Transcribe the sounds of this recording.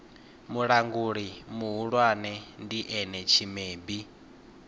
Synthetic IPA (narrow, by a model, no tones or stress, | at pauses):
muɺaŋɡuɺimuɦuɺwanɛndiʔɛnɛt͡ʃʰimeːbi